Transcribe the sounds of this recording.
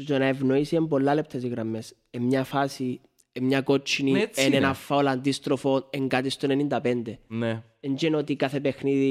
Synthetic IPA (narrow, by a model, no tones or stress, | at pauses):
t̪onɐevnoisiembolːɐlep̚t̪ʰɐsiɣɾɐmːes | emɲɐfasi | emɲɐkot͡ʃʰːinienenɐfːaoland̪ist̪ɾofo̞neŋɡat̪ist̪onenind̪ɐpend̪e | end͡ʒenot̪ikaθepexniði